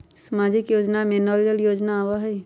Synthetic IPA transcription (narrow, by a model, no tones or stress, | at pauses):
səmaːd͡ʒɪkjoːd͡ʒnameːnoːljəljoːd͡ʒnaːwaɦɛ